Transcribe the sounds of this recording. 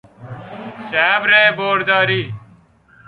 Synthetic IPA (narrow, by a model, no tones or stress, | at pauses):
saːbɾeːboːɽd̪aːɾiː